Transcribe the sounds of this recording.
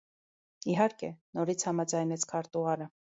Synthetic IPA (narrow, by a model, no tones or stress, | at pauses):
iɦɑɾkɛnɔɾit͡sʰhɑmɑd͡zɑjnɛt͡sʰkʰɑɾt̪uʁɑɾə